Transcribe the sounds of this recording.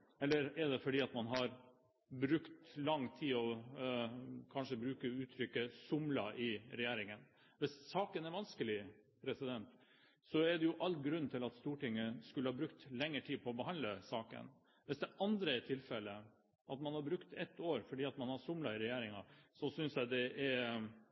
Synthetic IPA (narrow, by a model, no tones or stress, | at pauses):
ɛlːəɾɛɖ̪ɛfɔɖiːɑt̪mɑnɦɑɾ | bɾʉkt̪lɑŋːt̪ʰiːɔ | kʰɑnʂəbɾʉːkəʉːt̪ʰɾʏkːəsʊmlɑʔɪɾɛjeːɾɪŋən | ʋɪsːɑːkənɛɾʋɑnskəlɪ | pʰɾɛsɪd̪ɛnt̪ | sɔɛɖɛjʊʔɑlːɡɾʉnːt̪ʰɪlɑt̪st̪uːʈɪŋːəskʉlːəhɑːbɾʉkt̪lɛŋːəʈʰiːpʰɔɔbəɦɑndləsɑːkə̰n | ʋɪsd̪ɛʔɑnd̪ɾəɛʈʰɪlfɛlːə | ɑt̪mɑnhɑɾbɾʉkt̪ɛt̪ːoːɾfɔɖiːɑt̪mɑnhɑɾsʊmlɑɪɾɛjæːɾɪŋɑsɔsʏnsjæɪd̪ɛʔɛɾ